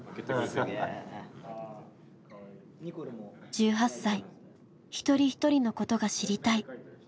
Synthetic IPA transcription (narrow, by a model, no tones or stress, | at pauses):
et̪ | d͡ʑɨːɦasːai | çi̥t̪o̞ɾʲiçi̥t̪o̞ɾʲino̞ko̞t̪o̞ɡaɕiɾʲit̪ai